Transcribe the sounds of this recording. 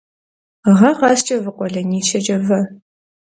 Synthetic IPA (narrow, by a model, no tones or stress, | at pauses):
ʁɐʁɑst͡ʃʼɐvɨqʷʼɔɮɐniːt͡ʃʰɐd͡ʒʼɐvɐ